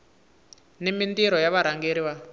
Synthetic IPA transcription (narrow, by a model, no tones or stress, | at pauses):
nimindiɾɔjaβaɾaŋɡeɾiβa